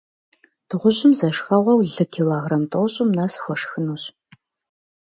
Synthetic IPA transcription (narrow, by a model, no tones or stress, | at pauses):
d̥ɨʁʷʊʑɪmzɐʂxɐʁʷɐwɮɨkʰilaːʁrɐmtʼowɕʼʊmnaːsxʷɔʂxɨnuːɕ